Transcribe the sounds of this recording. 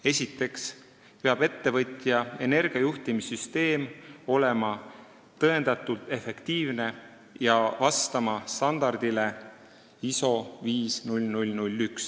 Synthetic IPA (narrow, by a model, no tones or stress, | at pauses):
e̞sit̪ːˑe̞ks | pe̞ɑb̥e̞t̪ːe̞vɤt̪ʲjɑe̞ne̞rɡ̥iɑjuht̪imisyst̪e̞ːmo̞le̞mɑ | t̪ːɤe̞nd̪̥ɑt̪ːˑult̪e̞fe̞kt̪iːvne̞ | jɑvɑst̪ɑmɑst̪ɑnd̪̥ɑrd̪ile̞ | iso̞viːsnulʲnulʲnulʲːyks